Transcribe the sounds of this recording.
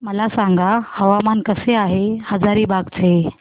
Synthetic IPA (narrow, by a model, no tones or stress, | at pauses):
məlasãŋɡʱahəʋamankəseaɦehəd͡zaɾiːbaɡt͡sʰe